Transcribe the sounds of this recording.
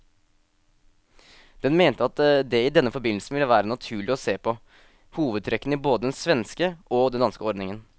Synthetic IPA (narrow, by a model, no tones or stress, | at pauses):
d̪̥ɛnmeːnt̪əɑt̪d̪ɛɪd̪ɛnːəfɔɾbɪnl̩sən̩ʋɪlːəʋæːɾənɑt̪ʰʉːɭɪɔseːpʰɔ | huːʋəd̪̚t̪ʰɾɛkːnəiboːd̪əd̪ɛnsʋɛnskəʔɔd̪ɛnd̪ɑnskəɔɾd̪nɪŋən